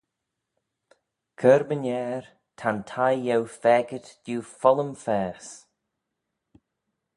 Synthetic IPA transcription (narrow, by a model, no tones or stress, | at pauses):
kʰəɾbənɛːɹ | tʰantʰajːɛwfɛːɡət̪d̥uːfɔləmfɛːs